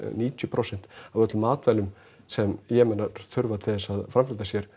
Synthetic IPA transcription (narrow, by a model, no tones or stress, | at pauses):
niːc̪ʏpʰɾowsɛn̥t̪avœt̪lʏmaːt̪vɛlʏm | sɛmjɛːmɛnaɾθʏɾvat̪ʰɪðɛsaðfɾamfɪlt̪asjɛɾ̥